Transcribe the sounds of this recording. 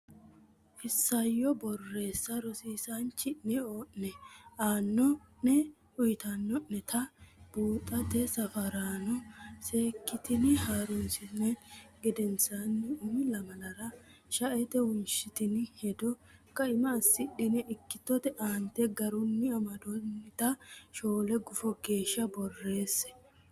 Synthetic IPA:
ʔɪsːɐjːɔbɔrːe̞ːsːɐɾɔsiːsant͡ʃːɪnːɛoːʔɛʔaːnːɔnɛ | ʊjt̪ɐnːɔnːɛt̪ʰɐb̥uːt̪ʼːɐt̪ɛsɐfɐɾaːnɔse̞ːkːɪt̪ɪnɪhaːɾʊnsɪnːɛɡɛd̪ɛnsanːɪʊmɪlɐmɐlɐɾɐ | ʃɐʔɛt̪ɛwʊnʃɪt̪ɪnhɛd̪ɔkːɐɪmɐːsːɪɗɪnɛʔɪkːɪt̪ːɔt̪ɛʔaːnt̪ːɛɡɐɾʊnːɪɐmɐd̪ɔnːɪt̪ɐʃo̞ːlɛɡʊfɔɡe̞ːʃːɐbɔrːe̞ːsːɛ̥

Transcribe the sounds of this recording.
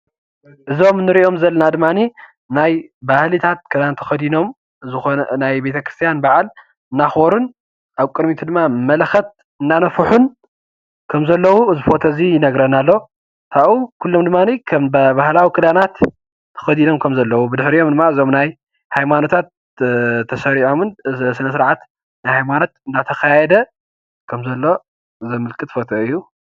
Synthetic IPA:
ʔɨzo̞mnɨɾiʔo̞mzɐlːɐnad̪ɨmːani | najbahlit̪ʰat̪̚kʰɨd̪ant̪ʰɐ̥xɐd̪ino̞m | zɨxonnajbe̞t̪ʰɐkɾɨst̪ʰijanbaʕal | ɨnːaxβoɾun | ʔaβkʼɨd̪mit̪ʰud̪ɨmːamɐlxɐt̪̚ | ɨnːanɐfuħun | kʰɐmzɐlːɐwuɨzɨfo̞t̪ʰɐzijɪnɐɡɾɐnalːo̞ | t̪ʰaʔukʰulːomd̪ɨmːanikʰɐmbbahlawikʰɨlanat̪ːʰ | ɐ̥xɐd̪ino̞mkʰɐmzɐlːɐwubɨd̪ɨħɾijo̞md̪ɨmːaɨzomnaj | hajmanot̪ʰat̪̚ | t̪ʰɐsɐɾiʕomɨnsɨnɐsɨɾʕat̪ | najhajmanot̪ɨnːat̪ʰɐxajɛd̪ɐ | kʰɐmzɐlːo̞ | zɐmɨlkʼɨt̪fot̪ʰɐɨjːu

